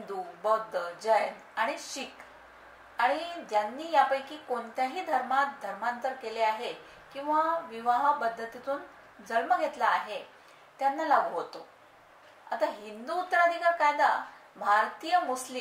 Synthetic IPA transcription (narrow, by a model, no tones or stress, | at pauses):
nd̪ubəd̪ʱːəd͡ʑəjən | aɽ̃iɕik | aɽ̃id̪janːiːjapəjkiːkoɳt̪jaɦiːd̪ʱəɾmat̪̚d̪ʱəɾmant̪əɾkeleaɦe | kĩw̃ʋaʋiʋaɦpəd̪ʱːət̪it̪uːn | d͡zəlməɡʱet̪laːɦe | t̪janːalaɡuɦot̪o | a̰t̪aɦind̪uːt̪ɾad̪ikakajd̪a | bʱaɾt̪ijəmusli